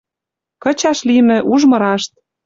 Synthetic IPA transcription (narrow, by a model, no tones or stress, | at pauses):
kɤ̆t͡ɕɑʃlimɘ̆ʔuʒmɤ̆ɾɑʃt̪̚